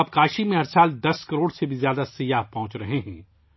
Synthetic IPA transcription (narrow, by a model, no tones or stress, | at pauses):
ɐb̚kaːʃimẽɐɾsaːld̪ɐskɐɾoːɽsebʱizjaːd̪asɐjaːɦpɐɦʊ̃t͡ʃɾɐɦeɦɛ̃ː